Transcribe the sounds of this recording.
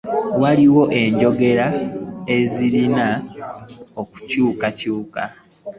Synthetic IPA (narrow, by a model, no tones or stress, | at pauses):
waliwo̞ʔe̞ɲɟo̞ɡe̞ɾae̞ziɾina | oku̥cuːkacuːka̰